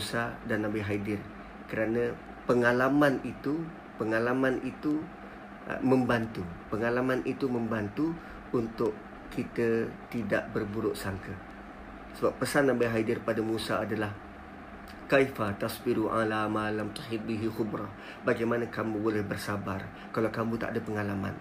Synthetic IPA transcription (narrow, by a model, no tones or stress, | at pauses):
musadanːabaɦadɪr | kəɾanə̃ | pəŋalamanit̪u | pəŋalamanit̪ṵ | mə̃mbant̪upəŋalamanʔit̪umə̃mbant̪uː | nt̪ʊʔ | kit̪ət̪ida̰ʔbərbuɾʊʔsaŋkə | səbapːəsanambajɦadɪrpadamusaːdalah | kajfat̪asbiɾuʔa̰lamalamt̪ahiɾbiɦixʊbɾɑ | baɡajmanəkamũbolɛhbərsabar | kalawkamũt̪a̰ʔdapəŋalama̰n